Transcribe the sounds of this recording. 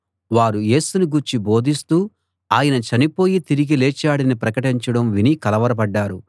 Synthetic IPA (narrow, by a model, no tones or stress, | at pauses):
ʋaːɾuje̞ːsunuɡuɾt͡ʃibo̞ːd̪ist̪uː | aːjɐnɐt͡ʃɐnipo̞ːjit̪iɾiɡileːt͡ʃaːɽɐnipɾɐkɐʈiɲt͡ʃɐɽɐmʋinikɐlɐʋɐɾɐbɐɖːaːɾu